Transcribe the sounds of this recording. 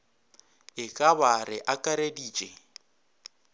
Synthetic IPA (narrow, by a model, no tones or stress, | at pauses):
ɪkʼaβaɾɪʔakʼaɾediːt͡ʃʼɛ